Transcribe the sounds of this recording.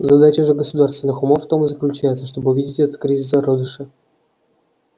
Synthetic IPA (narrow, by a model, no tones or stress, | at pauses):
zɐd̪at͡ɕəʐɨɡəsud̪arst̪vʲɪnːɨxumoft̪omzəklʲʉt͡ɕæjɪt̪səʂt̪obɨuvʲidʲɪtʲɛt̪ə̥t̪̚kɾʲizʲis̬aɾod̪əʂɨ